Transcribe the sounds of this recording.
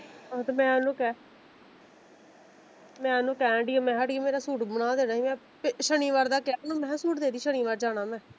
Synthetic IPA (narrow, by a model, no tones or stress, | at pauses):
ot̪emɛ̃ːanũːkɛː | mɛ̃ːanũːkɛ̃ːɖimɛ̃ːɦaɖimeːɾaːsuːʈbənaːd̪eːnaːɦĩːmɛ̃ː | pʃəɳ̃iːʋaːɾd̪aːkɛːnũːmɛ̃ːsuːʈd̪eːd̪iːʃəɽ̃iːʋaːɾd͡ʒaːnaːmɛ̃ː